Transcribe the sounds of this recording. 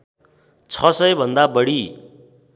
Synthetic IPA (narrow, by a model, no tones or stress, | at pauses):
t͡sʰʌsʌjbʱʌnd̪abʌɽi